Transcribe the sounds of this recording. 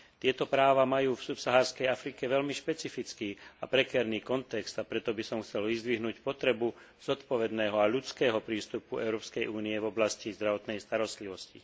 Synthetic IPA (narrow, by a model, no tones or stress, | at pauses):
t̪ɪɛt̪ɔpɾaːʋamajuːfsupsaɦaːɾskɛjafɾikɛʋɛʎmiʃpɛt͡sifit͡skiːapɾɛkɛɾniːkɔnt̪ɛkz̥t̪apɾɛt̪ɔbisɔmxt͡sɛlʋizd̪ʋiɦnuːcpɔt̪ɾɛbu | z̥ɔt̪pɔʋɛd̪nɛːɦɔaʎut͡skɛːɦɔpɾiːst̪upuɛʊɾɔːpskɛjuːniɛvɔblascizd̪ɾaʋɔt̪nɛjst̪aɾɔst̪liʋɔscḭ